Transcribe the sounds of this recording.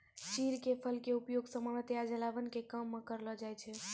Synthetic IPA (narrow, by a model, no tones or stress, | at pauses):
t͡ʃiɾkepʰəlkeupjoɡsə̃məɽət̪jad͡ʒəlabənkekəmːekəɾlɔd͡ʒajt͡ʃʰɛ